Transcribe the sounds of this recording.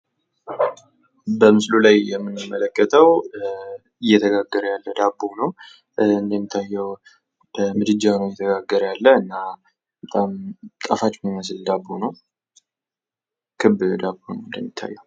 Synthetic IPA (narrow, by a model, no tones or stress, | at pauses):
bəmɨslulajjɛmːɨnɨmːələkːət̪ʰəw | ɪjːɛt̪ʰəɡaɡːəɾəjalːəd̪abːonəw | ɨnd̪əmːit̪ʰːajːɛw | b̥əmɨd̪ɨd͡ʒːawnəwjɛt̪ʰəɡaɡːəɾəjalːəɨnːa | bət̪ʼamt̪ʼafat͡ʃːməməs̬ɨld̪abːunəw | kʰɨbd̪abːunə̰wɨnd̪əmːit̪ʰːa̰jːɛw